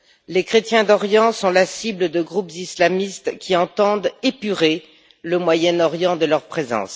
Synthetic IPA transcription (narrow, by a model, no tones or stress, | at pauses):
lekχet̪jɛ̃d̪ɔʁjɑ̃sɔ̃lasibləd̪əɡʁupzislamist̪kʲiɑ̃t̪ɑ̃d̪epyʁe | ləmwajɛnɔʁjɑ̃d̪əlœʁpχezɑ̰̃s